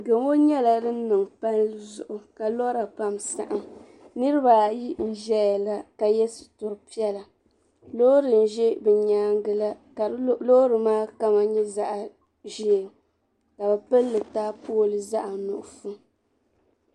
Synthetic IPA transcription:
ɡo˨ŋo˦ɲɛ˦la˨dɨ˦n̩˦nɨ˨ŋpa˦nlɨ˦zʊ̰˨ʔʊ˨ka˨lɔ˦ɾa˨pa˦msa̰˨ʔa˦ | nɨ˦ɾɨ˦ba˨ji˦n̩˨ʒɛ˦a˨la˦ka˨jɛ˦sɨ̥˨tʊ˨ɾɨ˨pi˦ɛ˦la˨ | lo˦ɾɨ˨n̩˦ʒɛ˦bɨ˨ɲaː˦ŋɡɨ˨la˦˨ | lo˦ɾɨ˨maː˦ka˦ma˦ɲɛ˦za˦ʔa˨ | ʒi˦˨ŋ | ka˨bɛ˨pɨ˦lːɨ˨taː˦poː˦˨lɨ˦za˦ʔa˨nʊ˨ʔʊ˨fu˦

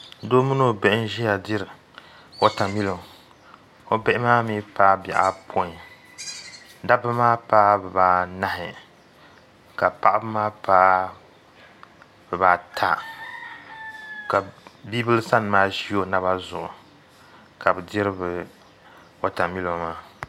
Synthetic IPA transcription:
doː˦mu˦no˦bɛ˦ʔɪ˦n˦ʒɛ˦ja˨di˦ɾɨ˨ | wɔ˦ta˨mi˦lo˨m | o˦bɛ˦ʔɪ˦maː˦mi˦paː˦bɛ̰˨ʔa˦pʰo˦˨ | da˦bɨ˦maː˦paː˦bɨ˨baː˨na˦ɦɪ˨ | ka˨pa˦ʔbɨ˦maː˦paː˦ | b̥ɛ˨baː˨tʰa̰˦ | ka˨biː˦bɨ˦lsa˦n˨maː˦ʃi˦o˦na˦βa˦zʊ˨ʔʊ̰˨ | ka˨bɨ˨di˦ɾɨ˦bɨ˨ | wa˦ta˨mi˦lo˨mmaː˦

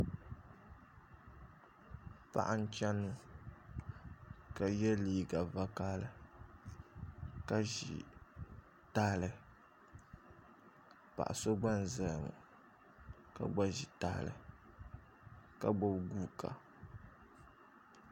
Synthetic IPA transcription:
pa̰˦ʔa˦n̩˦t͡ʃa˦nːu˦ | ka˨jɛ˦liː˦ɡa˨va˦kaː˦lɨ˦ | ka˦ʒḭ˨ | taː˦lɨ˨ | pa̰˨ʔa̰˨so˦ɡ͡ba˦n̩˨zɨ˨lmʊ̰˨ | ka̰˨ɡ͡ba˦ʒi˨taː˦lɨ̰˨ | ka˦bo˦bɡu˦kʰa̰˨

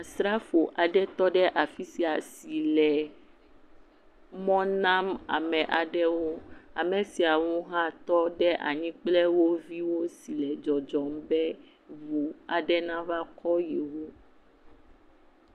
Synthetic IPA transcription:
a˨sɾa˦fo˨ʔa˨ɖɛ˦t̪ɔ˦ɖɛ˦ʔa˨fi˦si˨a˨si˨lɛ˨ | mɔ̃˦nã˦ma̰˨mɛ̃˨ʔa˨ɖɛ˦wo˦a̰˨mɛ̃˨si˨a˨wũ˦ɦã˦t̪ɔ˦ɖɛ˦ʔa̰˨ɲĩ˦k͡plɛ˦wo˦vi˦wo˦si˨lɛ˨d͡ʒɔ˨d͡ʒɔ˨m˦bɛ˦ | vu˨a˨ɖɛ˦nã˦va˦kɔ˦je˨wo˦

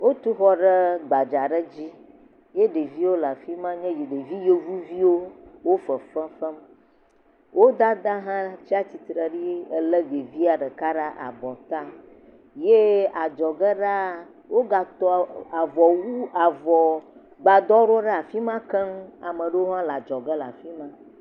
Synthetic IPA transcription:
wo˦t̪u˦xɔ˦ɖə˦ɡ͡ba˨d͡ʒa˨ɖə˦d͡ʑi˦ | je˦ɖe˨vi˦wo˦la˨fi˦mã˦ɲɛ̃˦je˨ɖe˨vi˦je˦vu˦vi˦wo˦wo˦fə˨fə˦fə˦m | wʔo˦d̪a˦d̪a˦ɦã˦t͡ɕi˦a˦t͡ɕi˨t̪ɾə˨ɖi˦ə˨lə˦ɡe˨vi˦a˨ɖə˨ka˦ɖa˦ʔa̰˨bɔ˨t̪a˦ | je˦a˨d͡ʒɔ˨ɡɛ˦ɖa˦ | wo˦ɡa˨t̪ɔ˨a˨vɔ˨wu˦a˨vɔ˨ | ɡ͡ba˨d̪ɔ˦ɖɔ˦ɖɛ˦a˨fi˦mã˦kɛ˦ŋ˦a˨mə̃˨ɖə˦wo˦ɦã˦la˨d͡ʒɔ˨ɡɛ˦la̰˨fi˦mã˦

